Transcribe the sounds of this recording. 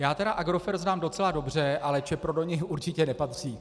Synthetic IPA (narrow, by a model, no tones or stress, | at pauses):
jaːt̪ɛɾaʔaɡɾo̞fɛɾznaːmdo̞t͡sɛlado̞br̝ɛʔalɛt͡ʃɛpɾodo̞ɲɪxʔuɾt͡ʃɪcɛnɛpat̪r̝̥iː